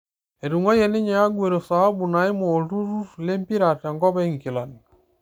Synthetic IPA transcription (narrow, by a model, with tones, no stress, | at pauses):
e˨ɾu˨ŋɔ˦jɛ˨ne˦ɲa˨ja˦ɡwe˨ɾo˨sa˨a˦bu˨na˨i˦mo˨lu˦ɾu˦fle˦mpi˦ɾa˨ta˨ŋɡɔ˦βɛ˦i˦ŋki˨la˨ni˨